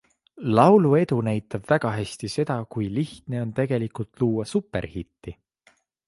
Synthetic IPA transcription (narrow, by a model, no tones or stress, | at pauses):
lɑwlue̞d̪unæjt̪ːˑɑb̥væɡ̥ɑɦæsʲt̪ise̞d̪̥ɑkujliht̪ne̞o̞nt̪e̞ɡ̥e̞likult̪luːwɑsupːˑe̞̰ɾhit̪ːi